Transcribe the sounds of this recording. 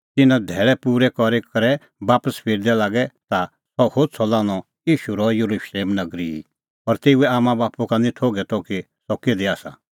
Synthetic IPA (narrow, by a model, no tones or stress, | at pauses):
t̪ɪnãd̪ʱɛːɭɛpuːɾɛkɔɾekɐɾɛ | baːpəspʰɪɾd̪ɛlaːɡɛt̪a | sɔhoːd̪̚sʰɔlãːɽ̃ɔ | jiːʃuɾɔjɐɾuʃleːmnɐɡɾiḭ | ɔɾt̪eːuɛaːmãbaːpukanĩt̪ʰoːɡɛt̪ɔki | sɔked̪iaːsa̰